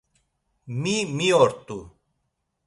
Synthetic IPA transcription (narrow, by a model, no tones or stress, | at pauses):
mimioɾt̪u